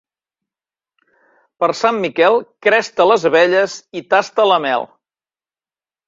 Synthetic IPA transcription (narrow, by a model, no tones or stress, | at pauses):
pəɾsamːikɛlˠkɾɛst̪ələzβɛʎəzit̪ast̪ələmɛ̰lˠ